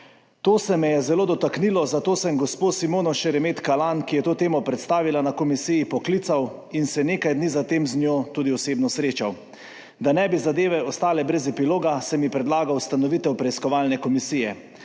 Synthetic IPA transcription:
t̪oːsɛmɛjɛzɛloːd̪ɔt̪aknilɔzat̪oːsɛmɡɔspoːsimoːnɔʃɛɾɛmeːt̪kalankijɛt̪oːt̪eːmɔpɾɛt̪st̪aːʋilanakɔmisijipɔklit̪sawinsɛneːkajd̪nizat̪eːmznjoːt̪uːd̪iɔseːbnɔsɾeːt͡ʃaw | d̪anɛbizad̪eːʋɛɔst̪aːlɛbɾɛzɛpiloːɡasɛmipɾɛd̪laːɡawst̪anɔʋit̪ɛwpɾɛiskɔʋalnɛkɔmisijɛ

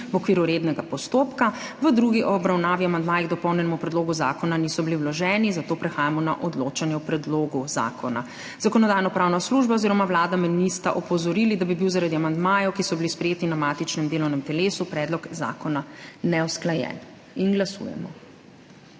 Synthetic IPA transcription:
wɔkʋiːɾuɾed̪nɛɡapɔst̪oːpkaʋəd̪ɾuɡiʔɔːbɾawnaːʋiamand̪maːjiɣd̪ɔpɔwnjɛnɛmupɾɛd̪loːɡuza̰ːkɔnanisɔbiliwlɔʒɛːnizat̪oːpɾɛxaːjamɔna̰ʔɔd̪lot͡ʃanjɛwpɾɛd̪loːɡuza̰ːkʰɔna̰ | zakɔnɔd̪aːjnɔpɾaːwnasluʒbaoziɾɔmawlaːd̪amɛnist̪aʔɔpɔzɔɾilid̪abibiwzaɾad̪iamand̪maːjɔwkisɔbilispɾɛjeːt̪inamat̪it͡ʃnɛmd̪eːlɔwnɛmt̪ɛleːsupɾɛːd̪lɔkza̰ːkɔnanɛwsklajɛ̰ːn | inɡlasṵːjɛ̰mɔ̰

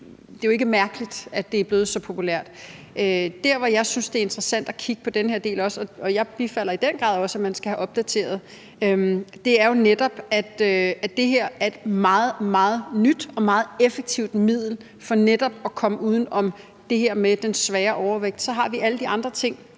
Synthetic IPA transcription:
d̥e̝jo̝e̝ɡ̥əmæɐɡ̥əlid̥æd̥e̝æɐb̥le̝ːð̞̩ˠsɒ̽pʰo̝pʰulæɐ̰d̥ | ød̥æɐ̰ʋɒ̽jɑ̈ɪsynsd̥e̝æɐe̝nd̥ʁɐsæn̰d̥ækʰiɡ̥əpʰɒ̽d̥enəheɐ̰de̝̰ːlɒ̽sɒ̽ɒ̽jɑ̈ɪb̥ifæl̰ɐid̥enɡ̥ʁɑ̰̈ðˠɒ̽sæmænsɡ̥æhæʔɒ̽b̥̚d̥æt͡sʰe̝̰ːɐð̞̩ˠ | ømd̥e̝æɐjo̝ned̥ɒ̽b̥æd̥øæ̥e̝ɦeɐ̰æɐe̝d̥mɑ̈ːð̩ˠmɑ̈ːð̩ˠnyd̥ɒ̽mɑ̈ːð̩ˠefeɡ̥̚t͡sʰiʊ̰d̥mið̰ˠl̩ | fɒ̽ned̥ɒ̽b̥ɒ̽kʰɒ̽məuːð̞ˠn̩ɒ̽m | d̥e̝ɦeɐ̰med̥ensʋɛːɐʔɒʊɐʋeɡ̥̚d̥sɒ̽ɦɑ̈ʋiʔæləd̥iɑ̈nd̥ʁɐt͡sʰe̝ŋ̰

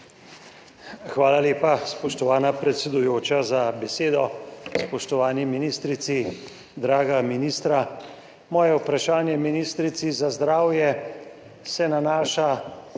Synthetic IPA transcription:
xʋaːlaleːpaspɔʃt̪ɔʋaːnapɾɛt̪sɛd̪ujoːt͡ʃazabɛseːd̪ɔspɔʃt̪ɔʋaːniminiːst̪ɾit̪si | d̪ɾaːɡaminiːst̪ɾa | mɔːjɛupɾaʃaːnjɛminist̪ɾit̪sizazd̪ɾaːwjɛ | sɛnanaːʃa

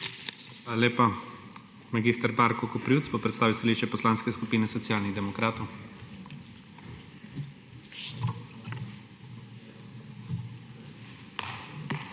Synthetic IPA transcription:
xʋalaleːpa | maɡist̪əɾbaɾkɔkɔpɾuːt̪sbopɾɛt̪saːʋiwst̪aliʃt͡ʃɛpɔslaːnskɛskupiːnɛsɔt̪sjaːlniɣd̪ɛmɔkɾaːt̪ɔw

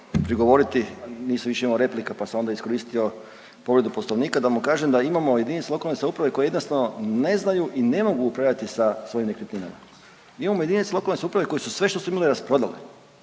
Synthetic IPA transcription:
pɾiɡo̞ʋo̞ɾit̪iniːsaʋiʃe̞imamoɾe̞plikapaseo̞nd̪aiskoɾiːst̪io̞ | po̞ʋɾe̞d̪uposlˠoʋniːkad̪amukaːʒemd̪aimamo̞jed̪init̪selo̞kalnesaupɾaʋe̞ko̞jeenost̪anone̞znajuʔine̞mo̞ɡuːpɾaʋʎʲat̪isasʋo̞jimne̞kɾet̪ninama̰ | imamojd̪init̪selo̞kalne̞saupɾaʋe̞ko̞jesusʋe̞ʃt̪o̞suimaliɾaspɾo̞d̪alḛ

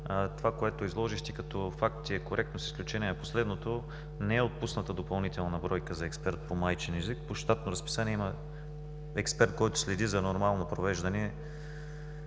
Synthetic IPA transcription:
t̪ovakoɛt̪oizlˠɔʒiʃt̪ikɐt̪ɔfakt̪ʲiɛkoɾʔɛk̚t̪nosi̥sklʲut͡ʃɛniɛnɐposlɛd̪not̪o | nɛɛot̪̚pusnət̪əd̪opɐlˠnit̪ɛlˠnɐbɾɔjkəzɐɛkspɛɾt̪̚pomajt͡ʃɛnɛzik̚poʃt̪at̪noɾəspi̥sanʲiɛimɐ | ɛkspɛɾt̪̚kɔjt̪o̥slɛd̪izɐnoɾmalˠnopɾovɛʒd̪ɐnɛ

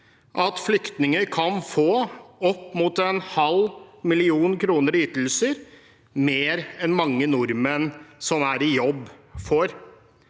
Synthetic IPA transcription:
ʔɑt̪flʏkt̪nɪŋəɾkʰɑnfoːɔpːmuːt̪ɛnhɑlmɪlɪuːnkʰɾuːnəɾyːt̪l̩səɾ | meːɾɛnmɑŋːənʊɾmənsɔmæɾɪjɔbːfɔɾ

